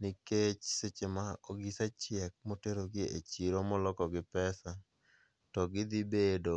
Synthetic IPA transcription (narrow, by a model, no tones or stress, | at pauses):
nɪket͡ʃsɪt͡ʃemaoɡisat͡ʃjɪɛk̚moteɾoɡɪet͡ʃiɾomɔlɔkɔɡɪpɛsa | tɔɡɪd̪ibedo